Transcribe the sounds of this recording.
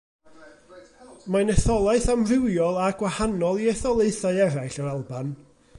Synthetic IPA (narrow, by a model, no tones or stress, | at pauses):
manɛθɔlˠaɨθamrɪwjɔlˠaɡwahanɔlˠiɛθɔlˠeɨθaɨɛɾajɬɔɾalˠban